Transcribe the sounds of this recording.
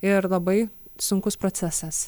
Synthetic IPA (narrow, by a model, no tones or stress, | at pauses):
ɪɾlˠɐbɐɪsʊŋkʊspɾot̪sʲæsɐs